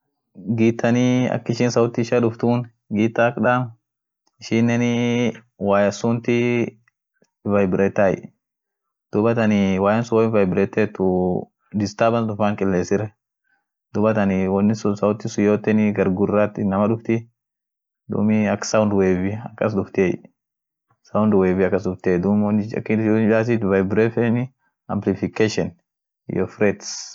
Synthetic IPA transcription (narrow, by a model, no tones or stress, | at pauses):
ɡiːt̪ːɐnɪɐ̰kːɪʃiːnsɐwʊt̪ːɪɪʃɐᶑʊft̪uːn | ɡiːt̪ːakᶑaːm | ɪʃiːnːɛnɪ | waːjɐsʊnt̪ɪ | vɐjbɪɾɛt̪ːaj | d̪̥ʊbɐt̪ɐnɪwaːjɐnsʊwɔɪvɐjbɪɾɛt̪ːeːt̪ːʊ | d̪ɪst̪aːbɐnd̪ʊfaːŋkʼɪlːeːsɪɾɛ | d̪ʊbɐt̪ɐnɪwɔnːɪsʊsɐwʊt̪ːɪsʊjoːt̪ːɛnɪɡɐɾɡʊrːat̪ɪnːɐmɐᶑʊft̪ɪ | d̪ṵːmɪɐksɐwʊnd̪weːvɪɐkːɐs̬d̪ʊft̪eːj | sɐʊnd̪weːbɪɐkːɐsd̪ʊft̪eːd̪umnːɪɐ̰kːɪbaːs̬ɪt̪vajbɾɛfɛnɪ | ɐ̰mplɪfɪkeʃɔn̰ | jɔfɾɛt̪s